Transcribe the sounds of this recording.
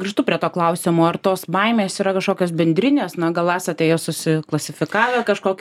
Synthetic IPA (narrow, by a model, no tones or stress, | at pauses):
ɡɾʲɪʃt̪ʊpʲɾʲiɛt̪oːklˠɐʊsʲɪmoːɐrt̪oːsbɐɪmʲeːsiːɾɐkɐʃkoːkʲoːsbʲɛnʲd̪ʲɾʲɪnʲeːsnɐɡɐlˠɑːsɐt̪ʲeːjoːsʊsʲɪklˠɐsʲɪfʲɪkɑːʋʲekɐʃkoːkʲ